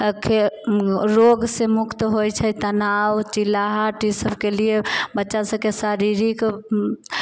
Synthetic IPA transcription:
kʰe | ɾoɡsẽmukt̪ɦojt͡ʃʰət̪ənawt͡ʃilaɦaʈisəbkeliebətːʃasə̃kesaɾiɾik

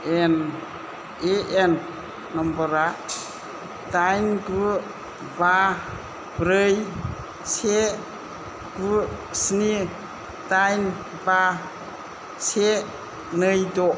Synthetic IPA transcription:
en | eʔenː | ɔmbɔɾa | tajnɡu | ba | bɾɯj | se | ɡusni | tajn | ba | se | nɯjdɔ

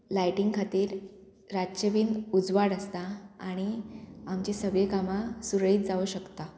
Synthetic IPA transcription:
lajʈiŋɡkʰat̪iːɾ | ɾaɕəʋiːnud͡zʋaɽəst̪aaɽ̃iamt͡ɕisəɡɭekamasuɾɭiːt̪̚d͡zaʋuɕəkt̪a

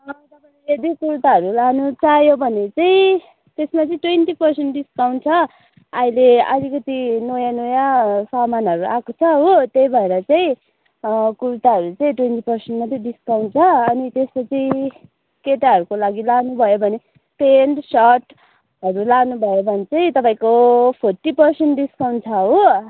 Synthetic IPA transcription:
t̪ʌpailed̪ikuɾut̪aʌɾulanut͡sajobʱʌnet͡saĩ | t̪esmat͡sʌĩʈwenʈipʌrsenʈɖiskawnt͡sʰʌ | aileʌlikʌt̪inojanojasamanɦʌɾuʔakot͡sʰʌɦot̪ejbʱʌeɾʌt͡saĩ | kuɾt̪aɦʌɾut͡saĩʈwenʈipʌrsenʈmat͡sʌĩdiskawnt͡sʰʌːnit̪espʌt͡sʰi | keʈaʌɾukolaɡilanubʱʌjobʱʌne | penɖsʌʈ | ɦʌɾulanubʱʌjobʱʌnet͡saĩt̪ʌpaĩkopʰoʈːipʌrsenʈɖiskawnt͡sʰʌɦo

